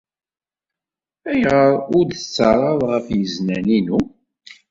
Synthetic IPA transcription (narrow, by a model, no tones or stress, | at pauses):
æjʁəɾˤʊɾd̪t͡sːəɾˤɑðˤʁəfjəznæninu